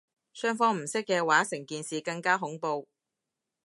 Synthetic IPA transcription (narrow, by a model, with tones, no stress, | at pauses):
sœː˥ŋfɔː˥ŋm̩˨˩sɪ˥kːɛː˧waː˨˥sɪ˨˩ŋkiː˨nsiː˨kɐ˧ŋkaː˥ɦʊ˨˥ŋpo˧w